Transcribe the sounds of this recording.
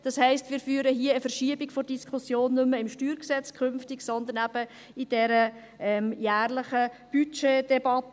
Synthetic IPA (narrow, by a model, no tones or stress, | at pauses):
d̥ɑshɛɪstmɪːɾfyːɾəɦiəːfəɾʃiəbɪɡfɔdiskʰusjoːnːʉməɪmʃtyːɾksɛt͡skʰʏnftɪɡsɔnd̪ənæb̥ə | id̥ɛɾə | ʔɛmjæːɾlɪχəb̥yt͡ʃed̥ɛbɑt